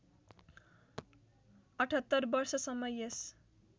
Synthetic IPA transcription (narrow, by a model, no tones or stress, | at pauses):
ʌʈʰʌt̪ːʌɾbʌɾsʌsʌmʌjʌs